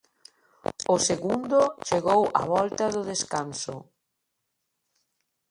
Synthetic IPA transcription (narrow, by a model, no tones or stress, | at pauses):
ʊseɣund̪ʊt͡ʃeɣowɐ̰βɔlt̪ɐðʊðeskansʊ̰